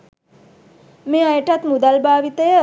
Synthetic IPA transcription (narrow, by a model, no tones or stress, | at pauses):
meajʈɐt̪mud̪albaːʋit̪e